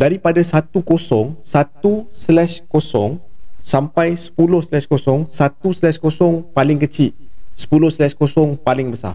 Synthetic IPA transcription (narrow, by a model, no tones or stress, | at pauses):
daɾipadasat̪ukosɔŋsat̪uslɛʃkosɔ̰ŋsampajsə̥pulʊhslɛʃkosɔŋsat̪uslɛʃkosɔŋpalɪŋkət͡ʃit̪̚sə̥pulʊhslɛʃkosɔŋpalɪŋbəsa̰r